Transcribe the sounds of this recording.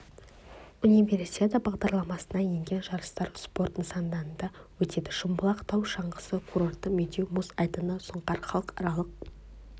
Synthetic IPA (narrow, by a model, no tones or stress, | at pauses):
unijve̞ɾsʲi̥t̪ʲet̪əbɑʁd̪ɑɾlˠɑmɑsənɑjeŋɡʲe̞nʒɑɾəst̪ɑɾspo̞rt̪nəsɑnd̪ɑɾənd̪ɑwɵt̪e̞d̪ɪʃʊmbəlˠɑqt̪ʰɑwʃɑɴəsəkʰuɾo̞rt̪ːəmed̪ʲewmusɑjt̪ənəsʊɴqɑɾχɑlˠəqɑɾɑlˠəq̚